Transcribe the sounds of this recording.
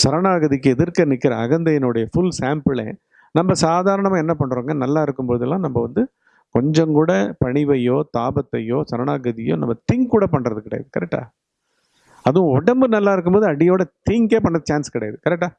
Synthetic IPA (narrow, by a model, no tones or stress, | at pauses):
sɐɾɐɳaːɣɐðɪkːɯɛðɪɾkɐnɪkːɪɾɐɐɣɐnd̪ɐjɪnɯɽɐjɐfʊlsaːmpɪlḛː | nɐmːɐsaːðaːɾɐɳɐmãːɛnːɐpɐɳːɯɾoːŋɡɐnɐlːaːɪɾɯkːɯmpoːðɯɛlːãːnɐmːɐʋɐnd̪ɯ | kɔɲd͡ʒɐŋkuːɽɐpɐɳɪʋɐjoːt̪aːbɐt̪ːɐjoːsɐɾɐɳaːɣɐðɪjo̰ːnɐmːɐt̪ɪŋkuːɽɐp̬ɐɳːɾɐðɯkɪɽɐ̰ja̰ðɯkɐɾɛk̚ʈːa̰ː | ɐðɯ̃ɔɽɐmbɯnɐlːaːɪɾɯkːɯmpboːðɯɐɽɪjoːɽɐt̪ɪŋkeːpɐɳːɾɐðɯt͡ʃaːnskɪɽɐjaðɯkɐɾɛk̚ʈːaː